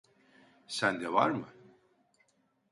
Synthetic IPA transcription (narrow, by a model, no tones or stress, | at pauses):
sænd̪ɛva̰ɾmɯ